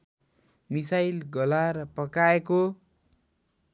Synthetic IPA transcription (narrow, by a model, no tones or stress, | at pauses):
misajlɡʌlaɾpʌkaeko